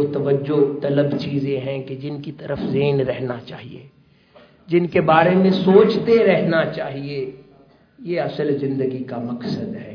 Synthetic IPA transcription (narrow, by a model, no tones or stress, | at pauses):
t̪ɐʋəd͡ʒːot̪ɐləbt͡ʃiːzẽɦɛ̃ked͡ʒɪnkit̪ɐɾəfzeːnɾɛɦnat͡ʃa̰ːɦiḛː | d͡ʒɪnkebaːɾemẽsoːt͡ʃt̪eɾɛɦnat͡ʃaːɦie | jeɐsəlzɪ̃nd̪əɡikamɐksəd̪ɦɛː